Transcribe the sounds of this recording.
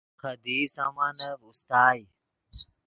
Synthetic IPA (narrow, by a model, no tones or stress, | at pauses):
kʰəd̪ʱiːsaːmaːnəʋʊst̪aːi